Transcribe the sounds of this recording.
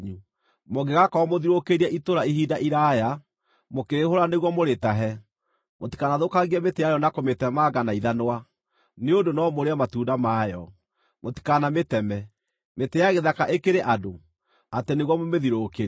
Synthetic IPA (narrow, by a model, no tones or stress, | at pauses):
ɲu | moɡeɣakaɔmoðiɾokeɾiaʔitoɾaiɦiːdaʔiɾaja | mokeɾehoɾaneɣwɔmoɾetaɦɛ | moti̥kanaðokaɣiɛmetejajɔnakometɛmaɡanaiðanowa | neondonɔmoɾeamatuːdamajɔ | moti̥kanametɛmɛ | metejaɣeðakaʔekeɾeʔado | ateneɣwɔmomeðiɾokeɾi